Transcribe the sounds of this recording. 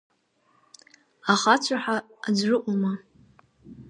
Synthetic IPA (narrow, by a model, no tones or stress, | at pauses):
aχat͡ɕʷʰaħaːd͡zrɨʔʷʼuma